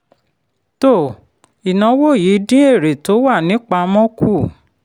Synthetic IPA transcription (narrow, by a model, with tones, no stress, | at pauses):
to˦˨ | i˨nɔ̃˨˦wo˦˨ji˨˦dĩ˦e˦˨ɾe˨to˨˦wa˦˨nĩ˨˦k͡pa˧mɔ̃˦ku˦˨